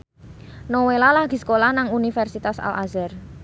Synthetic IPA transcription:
nowelalaɡ̥i̤sə̥kolahnaŋunifɛrsit̪asa̰lʔa̰zɛr

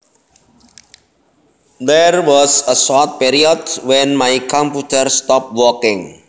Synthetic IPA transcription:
d̪ɛrwɔsəsɔrt̪̚piɾiɔdwɛ̃nmajkɔ̃mput̪əɾst̪ɔp̚wɔkɪ̃ŋ

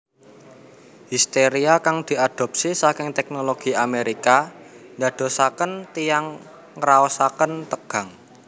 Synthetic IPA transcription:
hist̪eɾiakaŋd̪̥i̤ad̪̥ɔ̤p̚sisakɪŋt̪ɛk̚noloɡ̥i̤ameɾika | ɲad̪̥o̤sakənt̪ijaŋ | ɾaɔsakənt̪əɡ̥a̤ŋ

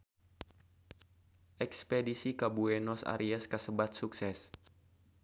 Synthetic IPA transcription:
ʔɛkspedisikabuɛnɔsa̰ɾʔiaskəsəbat̪̚suksɛs

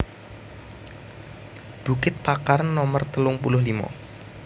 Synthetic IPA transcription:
b̥ṳkɪt̪̚pakaɾənːɔmərt̪əlʊŋpulʊhlimɔ̰

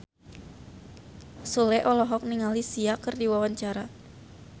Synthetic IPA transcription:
sulɛʔɔlɔɦɔk̚niŋalisiakɨrdiwawaɲt͡ʃaɾa

